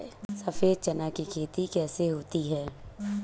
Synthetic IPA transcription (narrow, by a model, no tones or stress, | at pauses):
sɐfeːd̪̚t͡ʃɐnakikʰeːt̪ikɛːseɦoːt̪iɦɛː